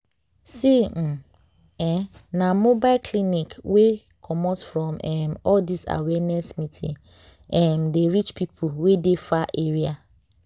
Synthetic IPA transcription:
siñ̩ | ɛ̃nãmobalkʰlĩnikwe | kʰɔmɔtsfɹɔ̃mɛ̃mɔldisa̰wɛnɛsmĩtʰḭ̃ | ɛ̃mdeɹit͡ʃpʰipʰuwedefaʔeɹia

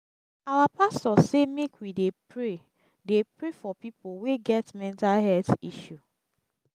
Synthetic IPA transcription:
awapastɔsemekwidepɹe | depɹefɔpipoweɡɛtmɛ̃ntalɦɛtiʃu

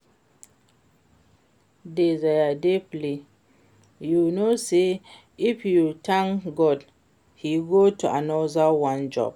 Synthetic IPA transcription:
dezajadepli | junose | ifjutʰãŋɡɔd | hiɡotuʔanɔzawãnd͡ʒɔ̰b̥̚

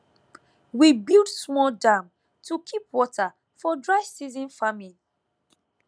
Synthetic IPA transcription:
wibildsmɔldãm | tʰukʰipwɔta | fɔdɹaɪsizĩnfamil

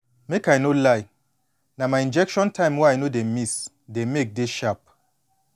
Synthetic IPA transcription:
mekajnolaj | namaĩnd͡ʒɛkʃɔ̃ntʰãɪ̃mwanodemis | demek̚deʃap̚

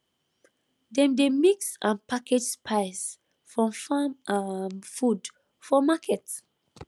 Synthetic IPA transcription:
dɛ̃mdemiksãnpʰaked͡ʒspʰaɪs | fɹɔ̃mfamamfud | fɔmakʰɛt

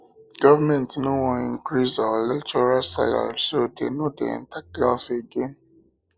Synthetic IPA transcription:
ɡ̥ɔvamɛ̃ntnõwɔ̃ĩŋkɾizɔlɛt͡ʃɔɾasa̰a̰lsodenõdḛɛ̰̃ntak̚laseɡen

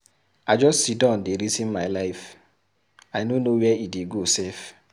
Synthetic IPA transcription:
ad͡ʒɔstsidãndeɾizĩnmaɪlaɪf | aɪnonowɛideɡosɛf

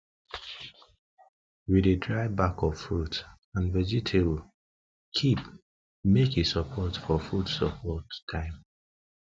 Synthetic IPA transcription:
widedɹaɪbakɔv̥fɹut | ãnvɛd͡ʒitʰeb | kʰip | mekesəpʰɔtfɔfɹutsəpʰɔttʰːãɪ̃m

